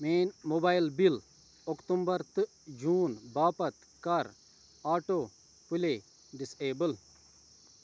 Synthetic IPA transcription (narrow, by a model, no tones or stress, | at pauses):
meːnmobaːilbil | okt̪umbɐɾt̪ɨ | d͡ʒuːnbaːpɐt̪ | kɐɾ | aːʈoː | puleː | ɖiseːbəl